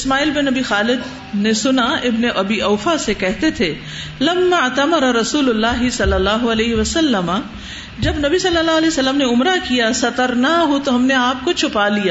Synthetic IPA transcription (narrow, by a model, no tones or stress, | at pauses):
ɪsmaːiːlbɪnɐbixaːlɪd̪ | nesʊnaɪbneʔɐbiʔɐːfasekɛɦt̪et̪ʰe | lɐmːaɐt̪ɐmɐɾɐɾɐsuːlʊlːaːɦɪsɐlːɐlːaːɦoɐlɛːɦiʋɐsɐlːəma | d͡ʒɐbnɐbisɐlːəlːaːɦɐlɛːsɐlːəmneʊmɾakijasɐt̪əɾnaɦot̪oɦɐmneaːp̚kot͡ʃʰʊpalijaː